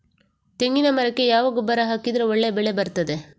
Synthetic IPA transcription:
t̪eŋɡinɐmɐɾɐkːe̞jaːʋaɡubɐɾɐɦaːkid̪ɾeɔɭːebɛɭebɐɾt̪ɐd̪e

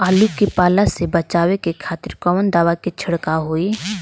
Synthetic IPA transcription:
aːlukipaːlasebət͡ʃaːwekekʰaːt̪ɪɾkɔʋənd̪aːʋaket͡ʃʰəɽkaɦoːi

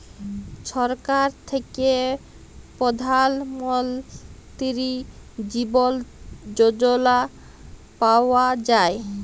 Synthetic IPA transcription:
ʃɔɾkaɾt̪ʰeke | pɔd̪ʱalmɔlt̪iɾid͡ʑibold͡ʑod͡ʑola | paoad͡ʑae

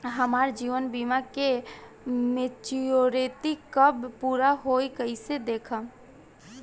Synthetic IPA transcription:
ɦəmaːɾd͡ʒiːʋənbiːmake | met͡ʃioɾet̪ikkːəbpuːɾaɦoːikəɪsed̪eːkʰa

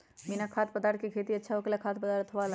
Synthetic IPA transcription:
binakʰaːt̪̚pəd̪aːɾt̪̚ʰkekʰeːt̪iɐtːʃʰaɦokelakʰaːt̪̚pəd̪aːɾɐt̪ʰʋal

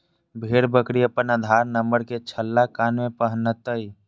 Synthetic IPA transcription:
bʱeɾbəkɽiəpənad̪ʱaɾnəmbəɽket͡ʃʰəlːakanmẽpəɦənət̪əi

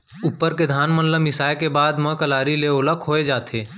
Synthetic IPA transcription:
ʊpːəɾked̪ʱaːnmənləmɪsaːjkebaːd̪mə̃kəlaːɾileoːləkʰoːed͡ʒaːt̪ʰeː

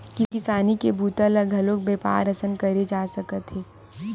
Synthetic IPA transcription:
kɪkɪsaːnikebʱuːt̪ələɡʱɐloːk̚beːpa̰ːɾɐsənkɐɾed͡ʒaːsɐkət̪ɦeː

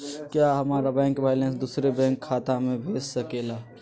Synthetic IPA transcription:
kjaːɦɐmaːɾabɛ̃ːŋkbaːɪlɛ̃ːnsd̪uːsɾebɛ̃ːŋkʰːaːt̪ãmẽbʱeːssɐkeːlaː

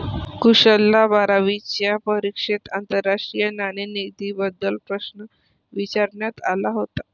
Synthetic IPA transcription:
kuɕəlːabaɾaʋit͡ɕjapəɾikʂet̪ant̪əɾːaʂʈɾijənanenid̪iːbəd̪ːəlpɾəsnə | ʋit͡ɕaɾɳjat̪alaɦot̪ḁ

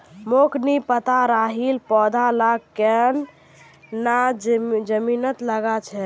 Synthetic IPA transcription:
moknipət̪aɾaɦilpɔd̪ʱalakːɛn | nad͡ʒəminət̪ləɡat͡ʃʰɛ

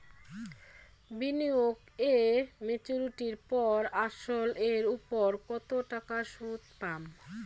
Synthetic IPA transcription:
binioɡ | emet͡ɕuɾiʈiɾpɔɾaʃoleɾupoɾkɔt̪oʈakaʃut̪pam

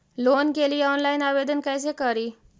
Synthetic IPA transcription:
lonkeliːɔnlainaʋed̪ənkajs̬ekəɾiː

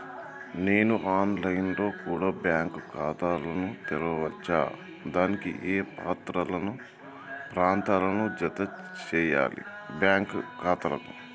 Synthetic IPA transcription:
ne̞ːnuʔaːnlɐjnlo̞ːkuːɽaːbjaːŋkkaːt̪aːlɐnut̪iɾɐɐʋɐt͡ʃːa̰ː | d̪aːnikḭʔeːpaːt̪ɾɐlɐnu | pɾaːnt̪aːlɐnud͡ʒɐt̪ɐ | t͡ʃɛːja̰ːlḭ | bjaːŋkkaːt̪ɐlɐ̰ku

